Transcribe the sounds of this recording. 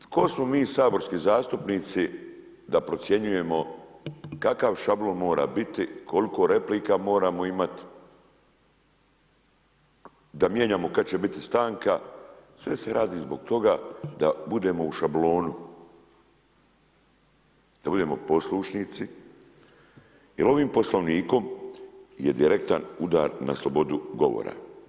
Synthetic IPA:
kosmo̞miːsaːbo̞ɾskizaːst̪upniːt̪si | d̪apɾo̞t̪sʲje̞ɲuje̞mo̞ | kakaʋʃablˠo̞nmo̞ːɾa̰ːbit̪ikʰo̞liko̞ɾe̞pliːkamo̞ːɾaːmo̞imat̪i̥ | d̪amje̞ːɲaːmo̞kat͡ɕe̞bit̪ist̪aːŋkasʋe̞se̞ɾaːd̪iːzbo̞ɡt̪o̞ɡad̪abud̪e̞ːmo̞uʃablo̞ːnu | d̪abud̪e̞ːmo̞po̞sluʃniːt̪si | jelo̞ʋiːmpo̞slˠo̞ʋniːko̞m | jed̪iɾe̞k̚t̪anud̪a̰ːɾna̰slˠobo̞d̪uɡo̞̰ʋo̰ɾa̰

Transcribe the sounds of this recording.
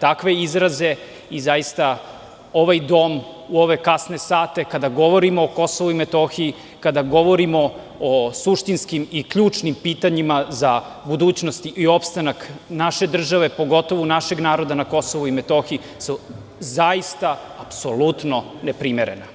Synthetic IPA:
t̪akʋe̞izɾaze̞ | izaist̪a | o̞ʋajd̪o̞ːmuoʋe̞kasne̞saːt̪e̞kad̪aɡo̞ʋo̞ɾimoːko̞soʋuimet̪o̞xii | kad̪aɡo̞ʋo̞ɾimo̞ | osuʃt̪inskimikʎuːt͡ʂnimpiːt̪aɲimaza | bud̪uːt͡ɕnost̪iʔio̞pst̪anaknaʃe̞d̪r̩ʒaʋe̞po̞ɡo̞t̪o̞ʋunaʃe̞ɡnaːɾo̞d̪anako̞soʋuimet̪o̞xii | su | zaist̪a | apso̞lut̪no̞nepɾimeɾe̞̰na

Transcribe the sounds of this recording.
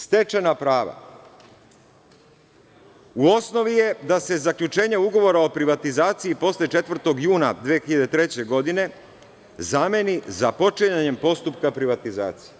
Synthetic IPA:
st̪e̞t͡ʃenapɾaːʋa̰ | uo̞sno̞ʋije̞d̪ase̞zakʎut͡ʃe̞ːɲeuɡo̞ʋo̞ɾao̞pɾiʋat̪izaːt̪siipo̞slʲet͡ʃe̞t̪ʋr̩t̪o̞ɡjuːnad̪ʋijexiʎad̪et̪ɾe̞t͡ɕe̞ɡo̞d̪ine̞ | zame̞nizapo̞t͡ʃeɲaɲe̞mpo̞st̪upkapɾiʋat̪iza̰ːt̪si̥je

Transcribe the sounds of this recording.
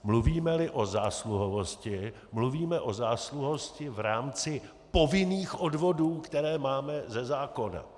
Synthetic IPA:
mluviːmɛlɪʔo̞zaːsluɦovo̞scɪ | mluviːmɛʔo̞zaːsluɦoscɪvɾaːmt͡sɪ | po̞vɪniːxʔo̞dvo̞duːkt̪ɛɾɛːmaːmɛzɛzaːko̞na̰

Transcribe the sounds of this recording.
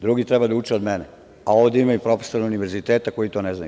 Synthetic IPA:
d̪ɾuɡit̪ɾɛbad̪aut͡ʃɛod̪mene | ao̞vd̪eimajupɾo̞feso̞ɾauniʋe̞ɾzit̪eːt̪ako̞jit̪o̞ːnezna̰ju

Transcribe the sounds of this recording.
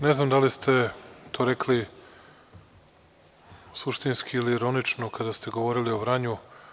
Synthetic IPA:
neznamd̪alist̪ʰe̞t̪o̞ːɾekʰli | suʃt̪inskʰiːliːɾo̞nit͡ʂnokad̪ast̪e̞ɡo̞ʋo̞ɾilio̞ʋɾaɲu

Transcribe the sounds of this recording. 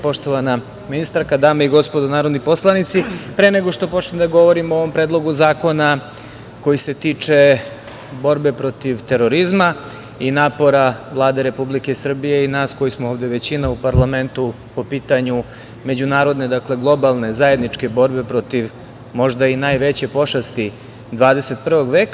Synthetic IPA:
po̞ʃt̪o̞ʋana | minist̪aɾkad̪aːmeiɡo̞spod̪onaːɾo̞d̪nipo̞slˠanit̪sipɾeneɡo̞ʃt̪o̞po̞t͡ʃned̪aɡo̞ʋo̞ɾimooʋo̞mpɾed̪lˠo̞ɡuzaːko̞na | ko̞jise̞t̪iːt͡ʃe̞ | bo̞ɾbe̞pɾo̞t̪iʋt̪e̞ɾo̞ɾizma | inaːpo̞ɾaʋlˠaːd̪e̞ɾe̞publike̞sr̩bije̞inaːsko̞jismooːʋd̪e̞ʋe̞t͡ɕinaupaɾlˠame̞nt̪u | po̞piːt̪aɲu | me̞d͡ʑunaːɾo̞d̪ne̞d̪akle̞ɡlˠo̞balˠne̞zaje̞d̪nit͡ʃke̞bo̞ɾbe̞pɾo̞t̪iʋ | mo̞ʒd̪ainajʋe̞t͡ɕe̞po̞ʃast̪i | d̪ʋaːd̪e̞se̞t̪̚pr̩ʋo̞ɡʋeːka

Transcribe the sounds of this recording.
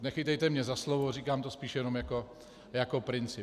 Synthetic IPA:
nɛxɪt̪ɛjt̪ɛmɲɛzaslovoriːkaːmt̪ospiːʃjɛnomjako̞ | jakopɾɪnt͡sɪ

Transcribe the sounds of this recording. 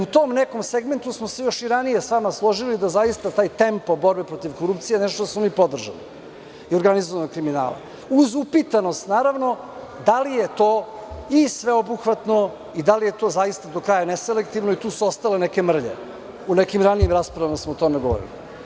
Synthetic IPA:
ut̪o̞mneko̞mseɡme̞nt̪usmosejo̞ʃiɾanije̞sʋamaslˠo̞ʒilid̪azajist̪at̪aːjt̪e̞mpobo̞ɾbepɾo̞t̪iʋkoɾupt̪sijenɛʃt̪ot̪osmonipo̞d̪r̩ʒa̰lḭ | io̞ɾɡanizoʋanokɾimina̰ːlˠa̰ | uzupit̪ano̞st̪naːɾaʋno̞ | d̪alijet̪oːisʋe̞obuxʋat̪no̞ | id̪alije̞t̪o̞ːzajist̪ad̪o̞kɾaːjaneselek̚t̪iʋnoit̪uːsuost̪aleneke̞mr̩ʎḛ | unekimɾaniimɾaːspɾavʋamasmoːt̪o̞meɡo̞ʋo̰ɾḭlḭ

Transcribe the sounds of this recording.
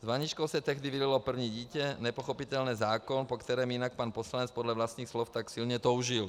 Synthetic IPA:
zʋaɲit͡ʃkɔʊsɛt̪ɛɣd̪iʋidilɔpr̩wɲiɟiːcɛɲɛpɔxɔpit̪ɛlnɛːzaːkɔnpɔkt̪ɛɾɛːminak̚paːnpɔslaɲɛt͡spɔd̪ʎaʋlast̪niːxslɔʊt̪aksilɲɛt̪ɔʊʒil

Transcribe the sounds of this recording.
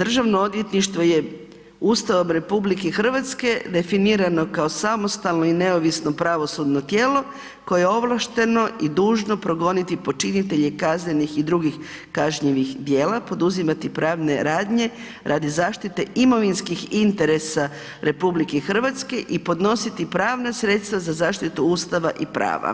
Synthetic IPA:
d̪r̩ʒaʋnood̪jet̪niʃt̪ʋo̞je̞ | uːst̪aʋo̞mɾe̞publikexr̩ʋat̪ske̞d̪e̞finiːɾano̞kao̞samo̞st̪alˠno̞ine̞oʋisno̞pɾaʋo̞sud̪no̞t̪je̞ːlo̞ | ko̞jejeo̞ʋlˠaʃt̪e̞no̞id̪uːʒno̞pɾo̞ɡo̞nit̪ipo̞t͡ʃinit̪e̞ʎekaznenixid̪ɾuɡix | kaʒɲiʋixd̪je̞ːlapo̞d̪uzimat̪ipɾaːʋne̞ɾaːd̪ɲe̞ | ɾʔad̪izaːʃt̪it̪e̞imo̞ʋinskixint̪e̞ɾe̞sa | ɾe̞publikexr̩ʋat̪ske̞ʔipo̞d̪no̞sit̪ipɾaːʋnasɾe̞t̪st̪ʋazazaːʃt̪it̪uuːst̪aʋaʔipɾa̰ːʋa̰

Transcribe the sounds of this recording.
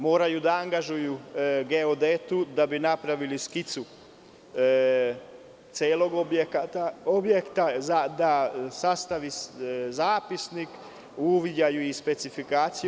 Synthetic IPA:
moːɾajud̪aaŋɡaʒujuɡeod̪et̪ud̪abinapɾaʋiliskit̪su | t̪seːlo̞ɡobjekat̪aobjekt̪azad̪asast̪aʋizaːpisnik | uʋid͡ʑajuispe̞t̪sifikaːt̪si

